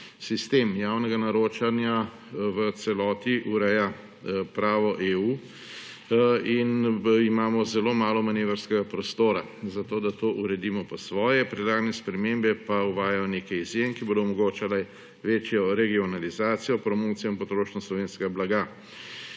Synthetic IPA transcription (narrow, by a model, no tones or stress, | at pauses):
sist̪eːmjaːwnɛɡanaɾoːt͡ʃanja | ʋət̪sɛlɔːt̪iʔuɾɛja | pɾaːʋɔʔeuː | inimaːmɔzɛloːmaːlɔmaneːʋəɾskɛɡapɾɔst̪oːɾa | zat̪oːd̪at̪oːʔuɾɛd̪iːmɔpɔsʋɔːjɛpɾɛd̪laːɡanɛspɾɛmeːmbɛpauʋaːjajɔneːkajizjenkiboːd̪ɔmɔɡoːt͡ʃalɛ | ʋeːt͡ʃjɔɾɛɡiɔnalizaːt̪sijɔpɾɔmoːt̪sijɔinpɔt̪ɾoːʃnɔslɔʋeːnskɛɡablaɡa